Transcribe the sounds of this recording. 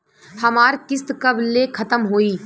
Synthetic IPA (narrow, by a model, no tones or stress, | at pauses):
hɐmaːɾkɪst̪kɐblekʰɐt̪əmɦoːiː